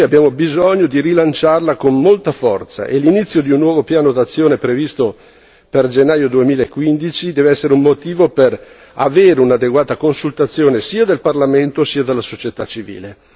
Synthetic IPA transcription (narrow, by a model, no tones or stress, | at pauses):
jabjaːmobizoɲːod̪irilant͡ʃarlakonmolt̪afɔ̰rt̪sa̰ʔḛlinit̪sːjod̪iunːwɔːvopjaːnod̪at̪sːjoːnepɾevist̪o | perd͡ʒenːaːjod̪uemiːlaekːwind̪it͡ʃid̪ɛːveɛsːeɾeummot̪iːvoper | a̰veːɾeunad̪eɡwaːt̪akonsult̪at̪sːjoːnesiːad̪elparlament̪osiːad̪elːasot͡ʃjet̪at͡ʃivḭːle